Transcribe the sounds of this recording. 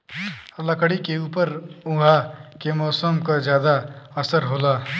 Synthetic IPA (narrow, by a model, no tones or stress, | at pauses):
ləkəɽikeuːpəɾũɡʱakemɔːsəmkazjaːd̪aəsəɾɦoːlaː